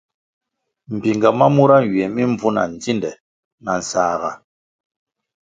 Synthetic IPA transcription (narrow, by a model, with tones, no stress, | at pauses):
m̩˨pi˨ŋɡa˨ma˦mu˦ɾa˦˨ɥi˨ɛ˨mi˦ɱ˦b͡vu˦na̰˨n̩˨d͡zi˦ndɛ˨ | na˨n̩˨saː˨ɣa̰˨